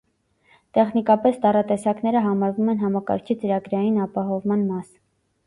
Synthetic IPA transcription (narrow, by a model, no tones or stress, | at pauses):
t̪ɛχnikɑpɛsd̪ɑrɑt̪ɛsɑknɛɾəɦɑmɑɾvumɛnɦɑmɑkɑ̰ɾkʰit͡səɾɑɡɾɑjinɑpɑɦɔvmɑnmɑs